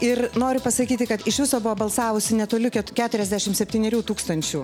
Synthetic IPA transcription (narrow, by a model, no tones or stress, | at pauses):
ɪrnoːɾʲʊpɐsɐkʲiːt̪ʲɪkɐt̪ɪʃʋʲɪsoːbʊʋoːbɐlˠsɑːʋʊsʲɪnʲɛt̪oːlʲʊkʲɛt̪kʲæːt̪ʊɾʲɛzʲd̪ʲæʃʲɪmsʲɛpʲt̪ʲiːnʲɛɾʲuːt̪uːkst̪ɐnʲt͡ʃʲuː